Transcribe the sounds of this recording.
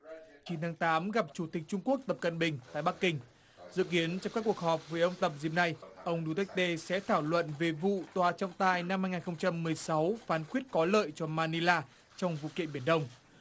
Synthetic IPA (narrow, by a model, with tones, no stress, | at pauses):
t͡ɕi˨˦nt̪ʰaː˨˦ŋt̪aː˨˦mɣa˨˩p̚t͡ɕu˧˩t̪ï˨˩k̟̚t͡ɕʊ˧ŋ͡mku˦˥ək̚t̪ə˨˩p̚kə̰˧˨nɓï˨˩ŋ̟t̪a̰ː˧˨jɓa˦˥kːï˧ŋ̟ | zɨ̰˧˨ki˨˦ənt͡ɕɔ˧ŋ͡mkaː˦˥kːu˨˩ək̚hɔː˨˩p̚vəː˨˩˦ʔə˧wŋ͡mt̪ə˨˩p̚zḭ˨˩p̚na˧˩jʔə˧wŋ͡mɗu˧t̪ɛ˦˥k̚t̪e˧sɛ̰˧˥t̪ʰaː˧˩wlwə̰˧˨nve˨˩vṵ˧˨t̪waː˨˩t͡ɕɔ˧wŋ͡mt̪aː˧˩jna˧mhaː˧jŋaː˨˩nxə˧wŋ͡mt͡ɕa˧mːɨ˨˩əjsa˨˦wfaː˨˦nxwi˦˥ət̚kɔ˨˦ləː˧˨jt͡ɕɔ˧maː˧ni˧laː˧ | t͡ɕɔ˧wŋ͡mvṵ˧˨kḭ˧˨ənɓi˧˩ənɗə˧wŋ͡m